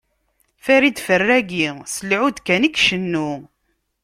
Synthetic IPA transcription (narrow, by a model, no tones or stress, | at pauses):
fæɾid̪fərːæɡisəlʕud̪kænikʃənːu